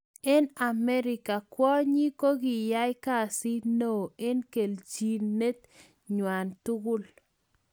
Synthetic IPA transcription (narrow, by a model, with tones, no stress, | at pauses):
e˦na˨mɛ˦ɾɪ˨ka˨kwɔ˦ɲi˦ko˦ɡɪ˨ja˦jka˦˨si˦no˨e˦nke˨lt͡ʃi˦˨ne˦t̪ | ɲwa˨ntu˦ɡʊ˦l